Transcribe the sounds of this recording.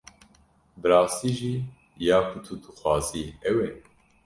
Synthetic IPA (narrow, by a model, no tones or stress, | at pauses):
bɨɾɑːst̪iːʒiː | jaːkʰut̪ʰud̪ɨxʷwɑːziːɛwɛ